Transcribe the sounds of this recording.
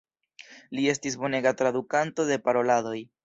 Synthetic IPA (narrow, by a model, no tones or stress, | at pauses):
lie̞stis̬bo̞ne̞ɡatɾad̪ukanto̞de̞paɾo̞lado̞j